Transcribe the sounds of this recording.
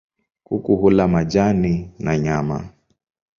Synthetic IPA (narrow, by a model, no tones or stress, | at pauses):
kukuɦulamad͡ʒaninaɲama